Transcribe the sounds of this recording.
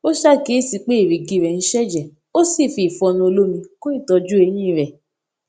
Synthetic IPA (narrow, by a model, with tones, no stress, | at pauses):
o˦ʃa˦˨ke˨˦˨si˧k͡pe˦i˦˨ɾi˨ɡi˧˨ɾɛ˨n̩˦ʃɛ˦d͡ʒɛ˦˨ | o˦si˦˨fi˧˨fɔ˧nũ˧o˧lo˦mĩ˧kõ˦i˦˨tɔ˧d͡ʒu˦e˨˧˦j̃ĩ˦˨ɾɛ˨